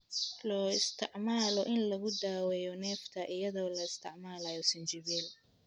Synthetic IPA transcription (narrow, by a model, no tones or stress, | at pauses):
lɔːɪst̪ʰɪʕmaːlɔʔɪnlɐɣʊd̪aːwɛjɔnɛːft̪ʰɐʔɪjɐðɔːlɐɪst̪ʰɪ̰ʕmaːlɐjɔsɪnt͡ʃɪβɛːl